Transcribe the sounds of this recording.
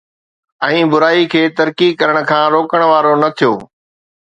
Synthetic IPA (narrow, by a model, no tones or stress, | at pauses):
ɛ̃ːbʊɾaːikʰeːt̪ɐɾkikɐɾəɽ̃̆kʰãːɾoːkəɽ̃ʋaːɾonɐt̪ʰijoː